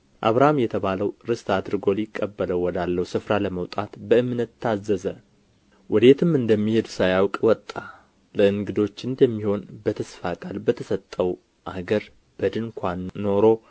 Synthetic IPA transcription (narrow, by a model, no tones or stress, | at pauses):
ʔaβɾaamjɛt̪ʰəβaləwɾɨst̪ʰad̪ɾɨɡo̞lɪkʼːəbːələwːɔd̪alːəhusɨfɾaləməwt̪ʼat̪bəɨmnət̪ʰːazːəzə | wɔd̪et̪ʰɨmɨnd̪əmːihed̪sajawkʼwɔt̪ʼːa | ləɨŋɡɨd̪o̞t͡ʃːɨnd̪əmːiho̞nbət̪ʰəsfakʼalbət̪ʰəsət̪ʼːəw | ʔaɡəɾ | b̥əd̪ɨŋkʷʰanːo̞ɾo̞